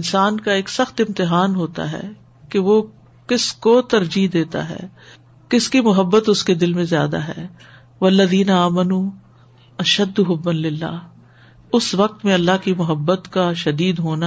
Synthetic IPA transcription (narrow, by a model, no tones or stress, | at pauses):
ɪnsaːnkaeːksɐxt̪ɪ̃mt̪ɪɦaːnɦoːt̪a̰ɦɛ̰ː | keʋo | kɪskot̪ɐɾd͡ʒid̪eːt̪a̰ɦɛ̰ː | kɪskimʊɦəbːət̪ʊsked̪ɪlmẽzja̰ːd̪a̰ɦɛ̰ː | ʋɐlːɐðiːnɐaːmɐnuː | ɐʃɐd̪ːʊɦʊbːɐnlɪlːa̰ː | ʊsʋɐk̚t̪mẽɐlːaɦkimʊɦəbːət̪kaʃɐd̪iːd̪ɦoːna